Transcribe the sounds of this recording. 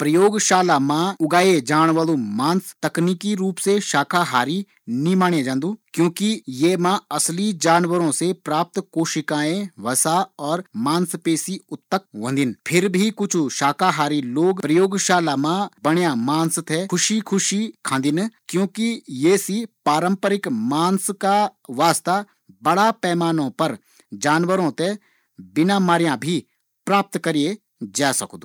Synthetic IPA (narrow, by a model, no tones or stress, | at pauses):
pɾɐjoːɡʃaːlamãʊɡaːed͡ʒaːñʋalõmãːnst̪ɐkniːkiɾuːpseʃaːkʰaɦaːɾi | nĩmaːɳ̃jẽd͡ʒãːnd̪ũːkjõːkijeːmãɐslid͡ʒaːnʋəɾõsepɾaːp̚t̪koːʃɪkãːẽʋɐsaɔːɾmãːnspeːsiʊt̪ːək̚ʋɐ̃ːnd̪ɪnpʰɪɾbʱikʊt͡ʃʰuʃaːkʰaɦaːɾiloːɡpɾɐjoːɡʃaːlamãbɐɽ̃jãmaːnst̪ʰekʰʊʃikʰʊʃikʰãːnd̪ɪnkjõːkijesipaːɾə̃mpəɾɪkmaːnskaʋaːst̪a | bɐɽapɛːmaːnõpɐɾ | d͡ʒaːnʋəɾõt̪e | bɪnaːmaːɾjãbʱi | pɾaːp̚t̪kɐɾije | d͡ʒaːsɐkd̪uː